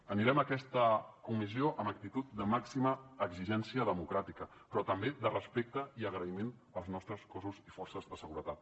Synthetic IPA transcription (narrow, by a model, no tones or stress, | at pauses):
əniɾɛməkɛst̪əkumizioʔəmək̚t̪it̪ut̪̚d̪əmaksiməːɡziʒɛnsiəðəmukɾat̪ikə | pɾɔt̪əmbed̪ərəspek̚t̪əiəɣɾəimen | əlˠznɔst̪ɾəskɔzuzifɔrsəzðəsəɣuɾət̪at̪̚